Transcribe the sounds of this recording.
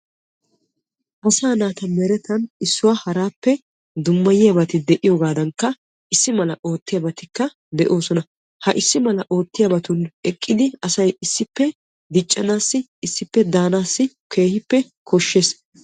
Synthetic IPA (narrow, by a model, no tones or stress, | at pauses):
ʔɐsaːnaːt̪ɐmɛɾɛt̪ɐnɪsːʊwahɐɾaːpːɛ | d̪ʊmːɐjɪjɐbɐt̪ɪd̪ɛʔɪjoːɡaːd̪ɐŋkːɐ | ɪsːɪmɐlɐʔo̞ːt̪ːɪjɐbɐt̪ɪkːɐ | d̪ɛʔo̞ːsɔnɐ | hɐʔɪsːɪmɐlɐʔo̞ːt̪ːɪjɐbɐt̪ʊnɛkʼːɪd̪ɪɐsɐjɪsːɪpːɛ | d̪ɪt͡ʃʼːɐnaːsːɪːsːɪpːɛd̪aːnaːsːɪ | kʰe̞ːhɪpːɛ | kʰɔʃːeːs